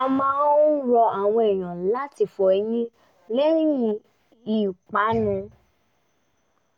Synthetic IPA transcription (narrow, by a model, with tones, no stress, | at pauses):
a˧mãː˦ɾɔ˧a˨w̃ɔ̃˧e˨j̃ã˨˦la˦ti˧˨fɔ˨ɛ˧˦jĩ˦ | lɛ˦ɾĩ˦jĩ˧ | i˨k͡pa˨˦nũ˧